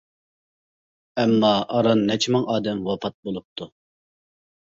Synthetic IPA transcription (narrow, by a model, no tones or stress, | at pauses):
ɛmːɑʔɑɾɑnːɛt͡ʃʰimɨŋʔɑːd̪ɛmwɑpʰɑt̪̚bolˠup̚t̪ʰu